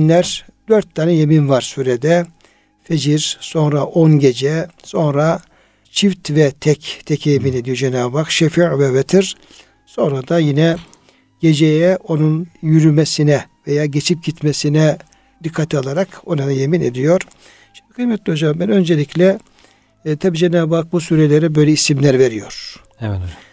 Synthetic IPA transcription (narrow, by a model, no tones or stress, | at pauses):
nlʲæɾ | d̪øɾt̪ʰːaːnɛjeminvaɾsyɾɛd̪ɛ | fed͡ʒiɾso̞nɾaʔonɟe̞d͡ʒɛso̞nɾa | t͡ʃʰift̪vɛt̪ʰɛct̪ʰecʰɛjemine̞d̪ijod͡ʒenaːbakʃefiɾvɛvɛt̪ʰiɾ | so̞nɾad̪ajinɛ | ɟ̥e̞d͡ʒejɛo̞nunjyɾymesinɛvejaːɟet͡ʃʰip̚ɟit̪mesinɛ | d̪ikʰːat̪ʰialˠaɾako̞naajemined̪ijo̞ɾ̥ | ʃimd̪ikʰɯj̪mɛt̪lʲio̞d͡ʒambænønd͡ʒelʲiclʲɛ | t̪ʰabiːd͡ʒenaːbak̚busuːɾelʲeɾɛbø̞jlʲɛisimlʲæɾveɾijo̞̰ɾ̥